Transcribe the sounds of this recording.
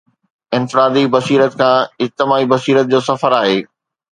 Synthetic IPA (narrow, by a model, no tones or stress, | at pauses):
ɪ̃nfɪɾaːd̪ibɐsiːɾət̪kʰãːɪd͡ʑt̪ɪmaːibɐsiːɾət̪̚d͡ʑoːsɐfəɾaːɦeː